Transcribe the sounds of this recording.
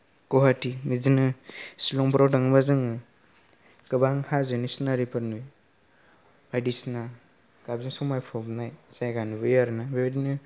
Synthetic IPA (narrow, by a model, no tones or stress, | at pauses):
kɔɦatimizinɯsilɔŋpʰɾawtaŋɯbazɯŋɯ | ɡ̥ɯbaŋhazɯnisnaɾipʰaɾnuj | bajdisna | kabziŋsɔmajpʰɔbnajzajɡanubɯjaɾnabiadinɯ